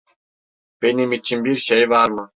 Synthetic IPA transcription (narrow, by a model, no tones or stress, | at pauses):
b̥e̞nimit͡ʃʰinbiɾʃejvaɾmɯ